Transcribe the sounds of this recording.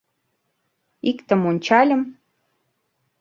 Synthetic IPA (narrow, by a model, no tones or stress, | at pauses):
ikt̪ə̆monʲt͡ɕɑlʲə̆m